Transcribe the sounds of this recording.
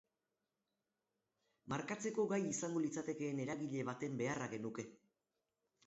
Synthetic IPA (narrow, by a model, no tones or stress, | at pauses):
maɾkat͡se̞ko̞ɣajisaŋɡo̞lit͡sat̪e̞ke̞ːne̞ɾaɣiʎe̞β̞at̪e̞mbe̞araɣe̞nuke̞